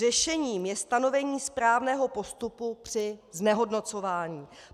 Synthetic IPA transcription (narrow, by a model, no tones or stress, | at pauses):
ɛʃɛɲiːmjɛst̪ano̞vɛɲiːspɾaːvnɛːɦo̞po̞st̪upupr̥ɪznɛɦo̞dno̞t͡so̞vaːɲiː